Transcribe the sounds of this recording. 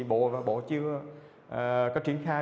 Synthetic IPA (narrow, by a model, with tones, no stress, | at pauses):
ɓo̰˧˨vaː˨˩ɓo̰˧˨t͡ɕɨ˧ə | ʔːkaː˦˥k̚t͡ɕwi˧˩ənxaː˧